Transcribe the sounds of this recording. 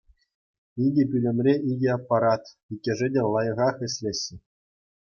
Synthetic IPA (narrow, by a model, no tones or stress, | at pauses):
idʲĕpʲylʲɘ̆mʲrʲeʔidʲeɑpːɑɾɑt̪ | ikʲːĕʐɘ̆dʲelˠɑjɤ̆ʁɑχɘ̆ɕʲlʲĕɕːɘ̆